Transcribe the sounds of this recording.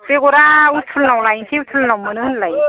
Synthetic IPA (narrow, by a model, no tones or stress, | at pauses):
peɡoɾautʰulnawlajnsʰiutʰulnawmɯnɯɯnlaj